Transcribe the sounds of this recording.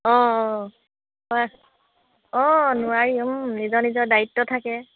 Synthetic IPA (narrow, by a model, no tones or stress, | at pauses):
ɔ̃ | a | ɔ̃nʊaɹimnizɔɹnizɔɹdaɹitːɔtʰakɛ